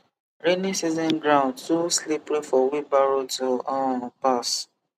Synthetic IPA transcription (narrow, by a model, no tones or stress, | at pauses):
ɾenisizɔ̃nɡɾãʊ̃ndtuslipɾefɔwibaɾotoɔpas